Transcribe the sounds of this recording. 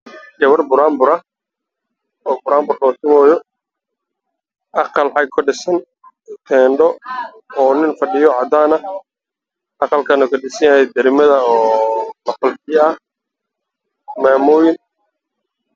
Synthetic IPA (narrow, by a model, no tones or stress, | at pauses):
d͡ʒɐwɐrbʊɾaːmbʊɾɐ | ɔːbʊɾaːmbʊrlɔːt̪ɪmɔːjɔ | ʔɑqɑlħɑjkʰʊɖɪsɐn | t̪ʰɛːɳɖɔ | ɔːnɪnfɐɖɪjɔʕɑd̪aːnɐ | ʔɑqɑlkʰɐnɐkʰɐɖɪsɐjajɛjd̪ɐɾɪmɐðɐɔːlɐfɐlbɪjɐɐh | maːmɔːjɪn